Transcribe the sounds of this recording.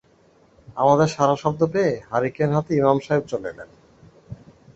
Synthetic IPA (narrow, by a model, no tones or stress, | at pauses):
a̰mad̪eɾʃaɾaʃɔb̚d̪opeeɦaɾikeɾɦat̪eimamʃaɦeb̚t͡ɕolelḛn